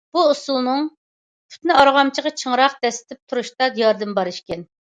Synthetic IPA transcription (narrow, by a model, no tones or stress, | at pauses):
b̥uusulˠnɨŋ | pʰy̥t̪nɪɑɾʁɑmt͡ʃʰəʁɑt͡ʃʰəŋɾɑq̚d̪ɛsɪ̥t̪ʰɪp̚t̪ʰuɾuʃt̪ɑjɑɾd̪ɨmbɑɾɨʃkʲɛn